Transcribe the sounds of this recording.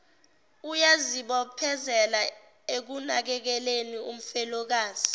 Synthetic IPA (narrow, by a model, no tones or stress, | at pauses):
ujaziɓɔpʰɛzɛla | ek̬unak̬ɛk̬ɛlenium̩fɛlɔk̬aːz̥i̥